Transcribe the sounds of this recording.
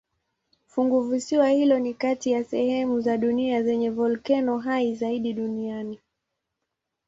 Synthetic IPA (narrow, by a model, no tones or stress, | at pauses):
fuŋɡuvusiwahilɔnikatijasɛhɛmuzaɗuniazɛɲɛvɔlkɛnɔɦaizaiɗiɗuniani